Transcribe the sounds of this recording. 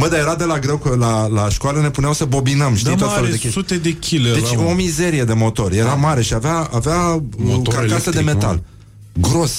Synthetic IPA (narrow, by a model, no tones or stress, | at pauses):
bəd̪aje̞ɾad̪e̞laɡɾe̞wkəlalaʃkoaləne̞puneawsəbo̞binəmʃt̪ij̪at̪felud̪ekessut̪ed̪ekʲʰiled̪et͡ʃo̞mize̞ɾije̞d̪e̞mo̞t̪o̞rje̞ɾamaɾe̞ʃiaveaavea | kakasəd̪eme̞t̪a̰l | ɡɾo̞s